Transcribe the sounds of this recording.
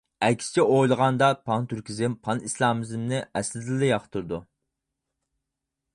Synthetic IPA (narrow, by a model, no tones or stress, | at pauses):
ɛkʲsɪ̥t͡ʃʰɛojlˠəʁɑnd̪ɑpʰɑnt̪yɾkʲʰizɪmpʰɑnislˠɑmɪzɪmnɪʔɛslɪzlɪjɑχt̪ʰuɾd̪u